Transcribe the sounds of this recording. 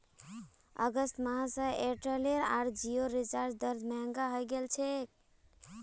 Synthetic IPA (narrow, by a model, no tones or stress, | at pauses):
ə̰ɡəst̪maɦsə̃eʈɾeleɾa̰ɾd͡ʒioɾit͡ʃaɾd͡ʒd̪əɾd̪ʱmɛŋɡaɦɔjɡelt͡ʃʰek̚